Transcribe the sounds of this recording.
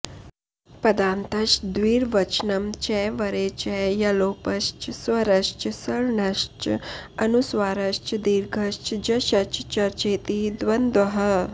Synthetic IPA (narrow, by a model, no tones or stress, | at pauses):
pɐd̪aːnt̪ɐʃd̪ʋiːɾʋɐt͡ʃnɐmt͡ʃɛʋɐɾet͡ʃɛjɐloːpɐʃt͡ʃsʋɐɾɐʃt͡ʃsɐɭɳɐʃt͡ʃɐnusʋaːɾɐʃt͡ʃd̪iːɾɡʱɐʃt͡ʃd͡ʑɐʃɐt͡ʃt͡ʃɐɾt͡ʃeːt̪id̪ʋɐnd̪ʋɐɦɐ